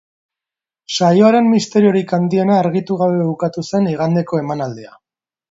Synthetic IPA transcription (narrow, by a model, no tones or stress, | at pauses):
sajo̞aɾe̞mmːist̪e̞ɾio̞ɾikand̪ie̞naːɾɣit̪uɣ̞aβe̞ukat̪use̞niɣ̞and̪e̞ko̞e̞manald̪ea